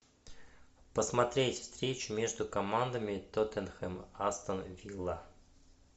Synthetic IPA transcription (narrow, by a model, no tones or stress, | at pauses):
pəsmɐt̪ɾʲetʲfst̪ɾʲet͡ɕʊmʲe̞ʐd̪ʊkɐmand̪əmʲɪt̪ot̪ɛnxɛmast̪ənvʲilˠa